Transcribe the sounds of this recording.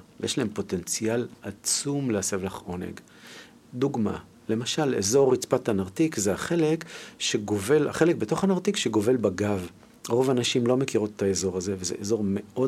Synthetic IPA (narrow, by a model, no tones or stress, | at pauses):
vjeʃlae̞mpo̞te̞nt͡sialat͡sumleasevlaχo̞nḛɡ | duɡma̰ | le̞maʃalezo̞ʁit͡spatanaʁtikzeaχe̞lekʃe̞ɡo̞ve̞la̰χe̞lek̚beto̞χanaʁt̪ikʃeɡo̞ve̞lbaɡav | ʁo̞vanaʃimlo̞me̞kiʁot̪e̥taezo̞ʁaze̞vezḛʔezo̞ʁme̞o̞